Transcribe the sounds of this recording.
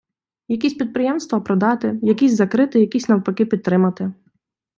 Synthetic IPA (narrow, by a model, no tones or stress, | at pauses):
jɐk̬ʲisʲpʲid̪̚pɾɪjɛmst̪ʋɐpɾɔd̪ɑt̪ɪjɐkʲizʲzɐkɾɪt̪ɪjɐkʲisʲnɐwpɐkɪpʲid̪t̪ːɾɪmɐt̪ɪ